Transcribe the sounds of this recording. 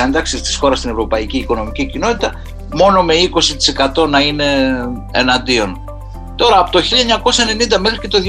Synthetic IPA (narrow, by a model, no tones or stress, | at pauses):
end̪ɐksist̪i̥sxo̞ɾɐst̪ine̞vɾo̞pɐiciːko̞no̞micicino̞t̪it̪ɐ | mo̞no̞me̞iko̞sit̪i̥se̞kɐt̪o̞nɐine̞ː | nɐnd̪io̞n | t̪o̞ɾɐːpot̪o̞çiʎɐeɲɐko̞sɐe̞ne̞nind̪ɐmexɾice̞t̪oð